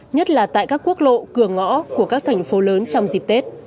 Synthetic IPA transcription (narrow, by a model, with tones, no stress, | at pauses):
ɲə˦˥t̚laː˨˩t̪a̰ː˧˨jkaː˦˥kːu˦˥ək̚lo̰˧˨kɨ˨˧˩əŋɔ̰˧˥ku˧˩əkaː˦˥k̚t̪ʰɛ˨˩jŋ̟fo˨˦ləː˨˦nt͡ɕɔ˧wŋ͡mzi˨˩p̚t̪e˦˥t̚